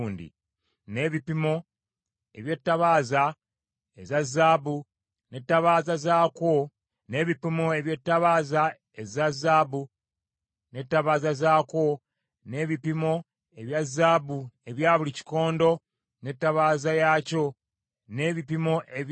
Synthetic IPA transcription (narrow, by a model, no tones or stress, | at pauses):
ndḭ | ne̞ːβipimo̞ | e̞βje̞tːaβaːza | ezazːaːbu | ne̞tːaβaːzazaːkwo̞ | ne̞ːβipimoe̞βje̞tːaβaːza | ezazːaːbu | ne̞tːaβaːzazaːkwo̞ | ne̞ːβipimo̞ | e̞βjazːaːbue̞βjaːβulici̥ko̞ːndo̞ | ne̞tːaβaːzajaːco̞ | ne̞ːβipimo̞ʔe